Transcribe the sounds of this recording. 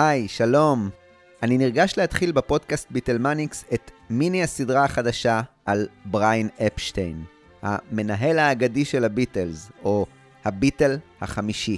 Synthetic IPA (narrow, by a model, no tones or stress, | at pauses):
hajʃalo̞m | ʔaniniʁɡaʃlehatχilbepo̞dkast̪̚bitelmanikset̪miniasidʁaaχadaʃaʔalbʁajnepʃtejn | ha̰me̞naɦe̞lhaːɡadiʃe̞labitelzo̞ | habite̞lhaχamiʃi